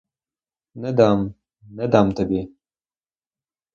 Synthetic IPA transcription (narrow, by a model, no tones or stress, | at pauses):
nad̪ɑm | nad̪ɑːmt̪abe